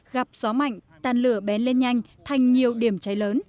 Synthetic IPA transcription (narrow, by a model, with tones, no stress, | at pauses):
ɣa˨˩p̚z̥ɔ˨˦ma̰˧˨jŋ̟t̪aː˨˧nlɨ˧˩əɓɛ˨˦nle˧nɲa˧jŋ̟ | t̪ʰa˨˩jŋ̟ɲi˨˩əwɗi˧˩əmt͡ɕa˨˦jləː˨˦n